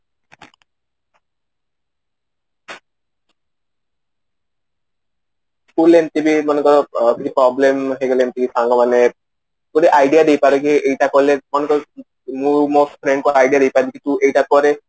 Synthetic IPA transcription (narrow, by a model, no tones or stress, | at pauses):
kulemt̪ibimɔnekɔk̪ʰikʰipɾɔblemɦeɡɔlemt̪ibisʰaŋɡɔmanɛ | kuɾɛʔajɖijad̪ejpaɾɛkiejʈakɔlɛmɔnekɔ | mumospʰɾɛɳɖkɔajɖijadejpaɾbikituejʈakɔɾɛ